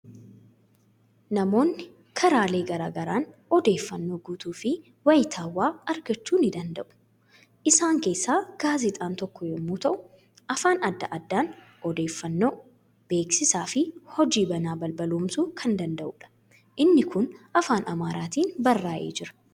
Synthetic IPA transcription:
nɐmo̞ːnːɪ | kʰɐɾaːle̞ːɡɐɾaːɡɐɾaːnɔd̪e̞ːfːɐnːo̞ːɡuːt̪uːfɪ | wɐjt̪ʰaːwːaːɐɾɡɐt͡ʃːuːnɪd̪ɐnd̪ɐʔʊ̥ | ʔɪsaːŋke̞ːsːaːɡ̥aːzɪt̪ʼaːnt̪ɔkːɔjɔmːuːt̪ɐʔʊ̥ | ʔɐfaːnɐd̪ːɐʔɐd̪ːaːn | ɔd̪e̞ːfːɐnːo̞ː | b̥e̞ːksɪsaːfɪhɔd͡ʒiːbɐnaːbɐlbɐloːmsuːkʰɐnd̪ɐnd̪ɐʔuːᶑɐ̥ | ʔɪnːɪkʊnʔɐfaːnɐmaːɾaːt̪iːnbɐrːaːʔeːd͡ʒɪɾɐ̥

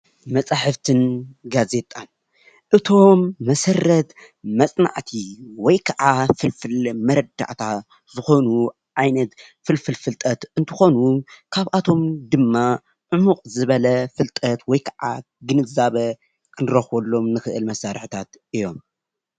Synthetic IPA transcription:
mɐt͡sʼaħɨft̪ʰɨnɡaze̞t̪ʼan | ʔɨt̪ʰo̞mːɐsɐrːɐt̪ | mɐt͡sʼna̰ʕt̪ʰiwɔjkʰaʕafɨlfɨlmɐɾɐd̪a̰ʕt̪ʰa | zɨxo̞nu | ʕajnɐt̪ | fɨlfɨlfɨlt̪ʼɐt̪ɨnt̪ʰɨxo̞nukʰaβʔat̪ʰo̞md̪ɨmːa | ʕumuqʼzɨβɐlɐfɨlt̪ʼɐt̪wɔjkʰaʕa̰ | ɡɨnɨzaβɐ | kʰɨnɨɾɐxwolːo̞mnɨxɨʔɨlmɐsaɾħɨt̪ʰat̪ʔɨjo̞m

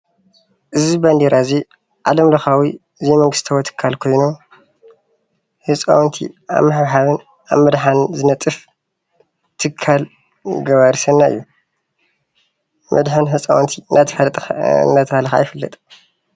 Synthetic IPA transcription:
ʔɨzibɐnd̪iɾʔazi | ʕʔalɐmlɐxawi | ɨzimɐŋɡɨst̪ʰɐwot̪ʰɨ̥kʰːalkʰo̞jno | hɨsʼa̰wnt̪ʰḭa̰βmaħβħaβɨn | ʔa̰βmɐd̪ħanzɨnɐt̪ʼɨf | t̪ʰɨkʰːal | ɡɐβaɾsɐnːaɨ̰jːu | mʔɐ̰d̪ħɨnɦɨt͡sʼa̰wnt̪ʰit̪ʰ | nat̪ʰɐhalɐxa̰jɪfɨlːɐ̰t̪ʼ

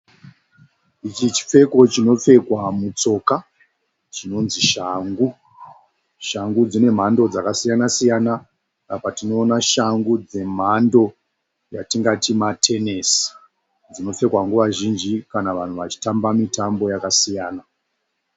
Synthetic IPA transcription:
it͡ʃit͡ʃi̥p͡fe̞ko̞t͡ʃino̞p͡fe̞kwamut͡so̞ka | t͡ʃino̞nziʃaŋɡu | ʃaŋɡud͡zine̞m̤ando̞d͡zakasijanasijanaː | patino̞ːnaʃaŋɡud͡ze̞m̤ando̞ | jatiŋɡatimatʰe̞nes | d͡zino̞p͡fe̞kwaŋɡuʋaʒind͡ʒikanaʋan̤uʋat͡ʃi̥tambamitambo̞jakasijaːna

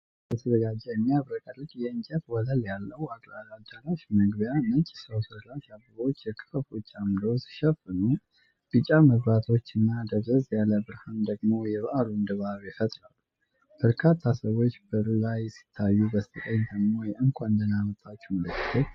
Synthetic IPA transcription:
bət̪ʰəd̪əɡad͡ʒːɛjɛmːijaβɾəkʼəɾɨkʼjɛɨɲt͡ʃʼət̪wɔləljalːəwad̪alad͡ʒalat͡ʃmɨɡβjamənt͡ʃʼi̥səwsɨlaʃabɨβo̞t͡ʃːjɛkʼɨfəfut͡ʃʼːamd̪osi̥ʃɛfɨnu | b̥ɨt͡ʃʼaməβɾat̪ʰo̞t͡ʃːɨnːad̪əβzəzjaləbɨɾhand̪əɡmo̞jɛβʔaɾund̪ɨβaβjɛfət̪ʼɾalːu | b̥əɾkʰat̪ʰːasəβo̞t͡ʃːbəlajsi̥t̪ʰːajːubəst̪ʰət̪ʼəɲːd̪əɡmo̞jɛʔɨŋkʷʼaɨnd̪ənamət̪ʼːat͡ʃːɛməlɨkːɨt̪ʰo

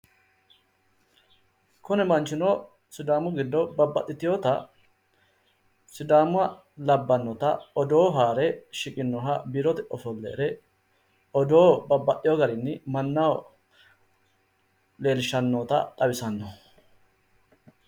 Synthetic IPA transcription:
kʊnɛmɐnt͡ʃːɪno | sʊd̪aːmʊɡɪd̪ːɔbɐbːɐ̰t̪ːɪt̪ɪjoːt̪ɐ | sɪd̪aːmʊɐ | lɐbːɐnːɔt̪ɐ̰ɔd̪oːɦaːɾɛʃɪkʼɪnːɔɦɐbiɾɔt̪ɛʔɔfɔlːḛːɾɛ | ɔd̪o̞ːbɐbːɐʔːɪjɔɡɐɾɪnːɪmɐnːa | le̞ːlɪʃɐnːoːt̪ɐ̰t̪ʼɐwɪsɐnːɔ

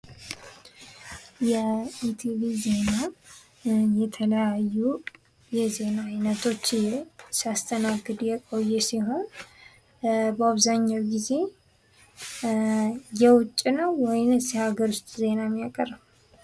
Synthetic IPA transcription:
jɛit̪ʰivize̞na | jɛt̪ʰələjajːu | jɛze̞naːjnət̪ʰo̞t͡ʃːjsiast̪ʰənaɡːɨd̪jɛkʼo̞jːɛsiɦo̞n | bəaβzaɲːawɡize̞ | jɛwʊt͡ʃʼːinəwːɔjnɨsɛhaɡəɾust̪ʼze̞namːjakʼəɾəm

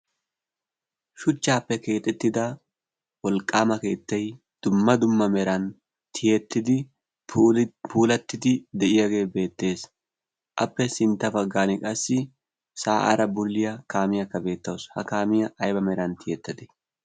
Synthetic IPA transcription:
ʃʊt͡ʃːaːpːɛke̞ːt̪ʼɛt̪ːɪd̪ɐ | wɔlkʼːaːmɐke̞ːt̪ːɐj | d̪̥ʊmːɐd̪ʊmːɐmɛɾɐn | t̪ʰɪjɛt̪ːɪd̪ɪ | puːlɐt̪ːɪd̪ɪd̪ɛʔɪjɐɡe̞ːbe̞ːt̪ːe̞ːs | ʔɐpːɛsɪnt̪ːɐfɐɡːaːnɪkʼɐsːɪ | saːʔa̰ɾɐbʊlːɪjɐkaːmɪjɐkːɐbe̞ːt̪ːɐwshɐ̰kaːmɪjɐʔɐjbɐmɛɾɐnt̪ɪjɛt̪ːɐd̪ɛ̥

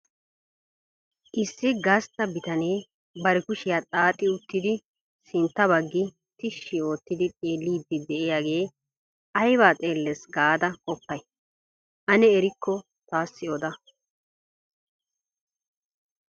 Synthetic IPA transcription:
ʔɪsːɪɡɐst̪ːɐbɪt̪ɐne̞ː | bɐɾɛkʊʃɪjaːtʼaːt̪ʼːɪʊt̪ːɪd̪ɪ | sɪnt̪ːɐβɐɡːɪ | t̪ɪʃːɪo̞ːt̪ːɪd̪ɪt͡sʼe̞ːlːiːd̪ːɪd̪ɛʔɛjaɡe̞ː | ɐjbaːt͡sʼe̞ːlːɛsɡaːd̪ɐkʼɔpːɐj | ʔɐnɛɛɾɪkʰːɔ | t̪aːsːɪɔd̪ɐ

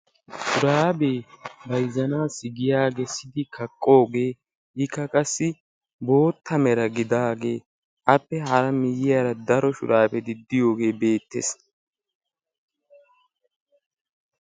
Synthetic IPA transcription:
ʃʊɾaːbebɐjzɐnaːsɪɡɪjaːɡesɪd̪ɪkɐkʼːo̞ːɡe̞ː | ʔɪkːɐkʼɐsːɪ | bo̞ːt̪ʰːɐmɛɾɐɡɪd̪aːɡe̞ː | ʔɐpːɛhɐɾɐmɪjɪjaːɾɐd̪ɐɾɔʃʊ̰ɾʔaːbɛd̪ɪd̪ːɪjo̞ːɡe̞ːbe̞ːt̪ːḛs

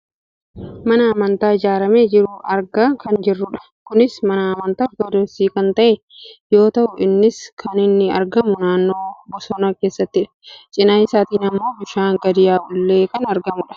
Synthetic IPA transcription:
mɐnɐːmɐnt̪aːɪd͡ʒaːɾɐmeːd͡ʒɪɾʊʔɐɾɡɐkɐnd͡ʒɪrːʊᶑɐ̥ | kʊnɪsmɐnɐːmɐnt̪aːɔɾd̪od̪ɔsiːkɐnt̪ɐʔɛ | jo̞ːt̪ɐʔʊɪnːɪskʰɐnɪnːɪɐɾɡɐmʊnaːnːo̞ːbɔsɔnɐke̞ːsːɐt̪ːɪᶑɐ̥t͡ʃʼɪnɐjsaːt̪iːnɐmːo̞ːbɪʃaːŋɡɐd̪ɪjaːʊlːe̞ːkɐnɐɾɡɐmʊᶑɐ̥

